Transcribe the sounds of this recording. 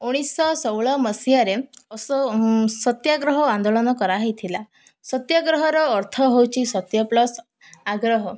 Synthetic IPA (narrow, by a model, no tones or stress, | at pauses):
uɽ̃isɔsɔwɭɔməsjaɾes | sɔt̪jaɡɾɔɦɔand̪olɔnɔkɔɾaɦit̪ʰila | sɔt̪jaɡɾɔɦɔɾɔːɾt̪ʰɔɦewt͡ʃʰisɔt̪jɔplɔs | aɡɾɔɦɔ